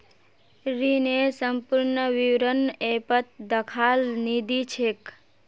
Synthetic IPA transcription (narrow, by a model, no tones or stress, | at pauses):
ɾinesəmpuɾnəʋiwɾənepət̪̚d̪əkʰalnid̪it͡ʃʰek